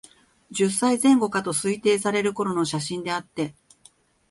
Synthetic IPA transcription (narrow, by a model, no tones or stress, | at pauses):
d͡ʑɨsːaizẽ̞ŋɡo̞kat̪o̞sɨit̪e̞ːsaɾe̞ɾɯ̟ko̞ɾo̞no̞ɕaɕĩnd̪e̞at̪ːe̞